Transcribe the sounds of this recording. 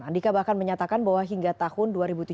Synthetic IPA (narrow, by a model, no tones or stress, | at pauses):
andikabahkanməɲat̪akanbawaɦiŋɡat̪ahʊnduaɾibut̪u